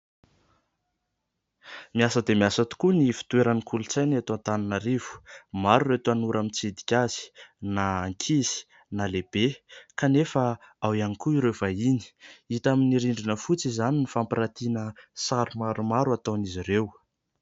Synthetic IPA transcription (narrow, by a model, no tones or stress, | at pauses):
miasəd̪emiasat̪u̥kunifi̥t̪weɾanikult͡sajnat̪ãnt̪aninaɾiv̥u̥maɾuret̪uanuɾʔamint͡sid̪i̥kʲaz̥i̥naːŋkʲʰizi̥ | naleb̥ekanefəawianikuiɾev̥aini̥it̪aminiɾiɳɖ͡ʐinəfut͡sizaninifampiɾat̪inəsaɾumaɾumaɾuat̪anizirew